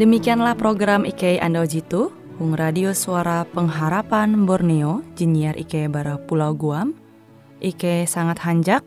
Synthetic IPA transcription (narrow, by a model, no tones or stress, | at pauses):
dəmikianlahpɾoɡɾamʔikejʔa̰ndawd͡ʒit̪u | huŋradiosuaɾapəŋɦaɾapanbɔrneod͡ʒiniarʔḭkebaɾapulawɡuam | ʔikesaŋat̪haɲd͡ʒak̚